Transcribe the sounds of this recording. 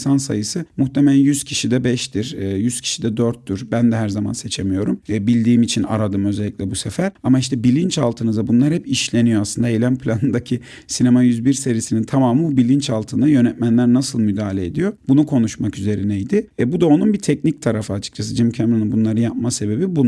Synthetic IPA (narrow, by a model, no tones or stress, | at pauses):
sansa̰jɯsɯmuxt̪ʰemɛlʲæjyz̥cʰiʃid̪ɛbɛʃt̪iɾːjyz̥cʰi̥ʃid̪ɛd̪øɾt̪ːyɾbænd̪ɛɦæɾzama̰nse̞t͡ʃʰemijo̞ɾumːbilʲd̪iːmit͡ʃʰina̰ɾad̪ɯmø̞zɛlʲːicʲlʲɛbusefæɾamaiʃt̪ʰɛbilʲint͡ʃalˠt̪ʰɯnɯzabunlˠaɾhɛpiʃlʲe̞nijoaslˠɯnd̪aejlʲænpʰlʲanɯnd̪acʰi | sinemajyzbiɾse̞ɾijisinint̪ʰamaːmɯbubilʲint͡ʃalˠt̪ʰɯnd̪ajø̞nɛt̪mænlʲæɾnasɯlˠmyd̪aːlʲeed̪ijo̞bunukʰo̞nuʃmakyze̞ɾinɛjd̪ɪɛbud̪ao̞nunbit̪ʰɛcnic̚t̪ʰaɾafɯat͡ʃʰɯ̥t͡ʃʰas̬ɯd͡ʒimcʰæmɾonunbunlˠaɾɯnjap̚mase̞be̞bibu